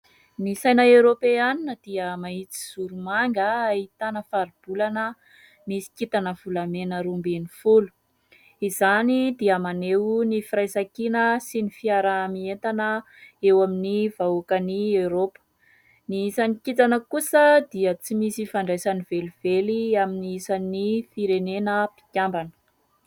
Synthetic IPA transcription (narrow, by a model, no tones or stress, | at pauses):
nisajnaewɾopeaninəd̪̥iəmait͡si̥z̥uɾumaŋɡəait̪anəfaɾib̥ulanə | misi̥kit̪anəvulamenəɾumbenifulu̥ | izanid̪iəmanewnifirajzakinəsinifiaɾamient̪anə | ewaminivaukəniewɾopə̥ | niisanikit̪anəkusəd̪iət͡simisifaɳɖ͡ʐajsaniveliv̥eliaminiisanifiɾenenəpi̥kʲjambanə̥